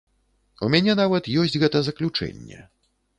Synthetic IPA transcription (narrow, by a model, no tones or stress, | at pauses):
umʲanʲɛnavɐt̪jɔsʲt͡sʲɣɛt̪ɐzɐklʲut͡ʂɛ̰nʲːɛ̰